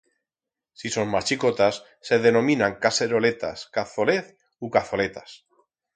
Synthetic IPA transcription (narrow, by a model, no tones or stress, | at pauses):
sisoŋmat͡ʃiko̞t̪asːe̞ðe̞nõ̞mĩnãŋkase̞ɾo̞le̞t̪a̰skaθoleθ | ukaθo̞le̞t̪as